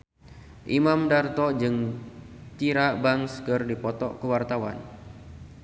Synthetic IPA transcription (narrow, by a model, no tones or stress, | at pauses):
ʔimamdart̪ɔd͡ʒɨŋ | t͡ʃiɾabaŋskɨrdipɔt̪ɔ̰ʔkəwart̪awa̰n